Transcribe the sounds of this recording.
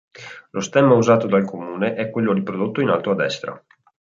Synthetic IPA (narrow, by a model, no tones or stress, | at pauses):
lost̪ɛmauzaːt̪od̪alkʰomuːneʔɛkːwelːod̪ipɾod̪ot̪ːoina̰lt̪oad̪ːɛst̪ɾa̰